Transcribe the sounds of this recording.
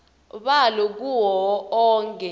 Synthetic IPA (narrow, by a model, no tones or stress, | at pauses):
ɓalɔk̬uwɔɔːŋkʼɛ